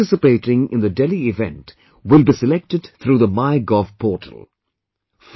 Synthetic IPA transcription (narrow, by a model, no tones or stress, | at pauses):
ɪsɨpeɪʈɪ̃ŋɪ̰̃nðədeliɪvɛ̰̃nt | wɪlˠbisɨlɛk̚tɨdθʰɾuːðəmaɪɡɔv̥pʰɔːʈʰə̰l̩ˠ | f